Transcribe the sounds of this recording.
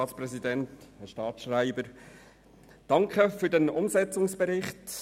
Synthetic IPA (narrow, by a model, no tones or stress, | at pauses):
ɑːtspɾɛsidɛnthɛɾʃtɑːtʃraɪbəɾ | d̥ɑŋkχəfyːɾdɛnʊmsɛt͡sʊŋsb̥ɛɾɪχt